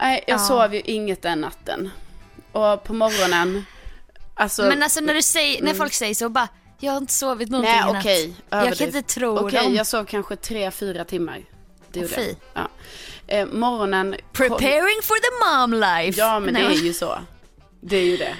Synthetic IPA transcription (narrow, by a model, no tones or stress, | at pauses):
nʔɛɪjɑːɡsoːvjɵʔɪŋːət̪̚d̪ɛnːa̰t̪ːə̰nʔɔpʰɔmɔɾɔnən | alsɔmɛnalsɔnæɖɵsɛjənæɾfɔlksɛjːəʂoːbɑ | jɑːɡhaɾɪnt̪ə̥soːvɪt̪̬mʊnɛːɔnkʰɛjʔøːjːɡɪt̪ət̪ʰɾuːɔjjɑːɡsoːvkʰanɧət̪ʰɾeːfyːɾat̪ʰɪmːa̰ɾ | d̪ɛjuːiː | ɑ̰ːʔmɔɾɔnənpʰɹ̥ɪpʰɛɹɪŋfɔðəmɑmlaɪjɑːmɛnɛæjʉsɔ̰ | d̪ɛæɾjɵd̪ɛ̰